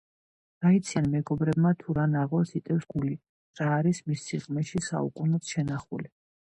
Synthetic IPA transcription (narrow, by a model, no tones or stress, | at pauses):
ɾ̥ait̪sʰianmɛɡɔbɾɛbmat̪ʰuɾanaʁɔsit̪ʼɛfsɡ̥uli | ɾaːɾismisːiʁmɛʃisa̰ukʼunɛt̪ʃɛnaχṵli